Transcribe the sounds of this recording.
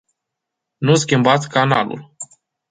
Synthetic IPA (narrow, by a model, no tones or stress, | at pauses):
nus̬kʲimbat̪sʲkana̰lṵl